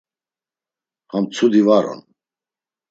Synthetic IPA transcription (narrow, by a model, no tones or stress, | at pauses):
hamt͡sʰud̪ivaɾɔ̰n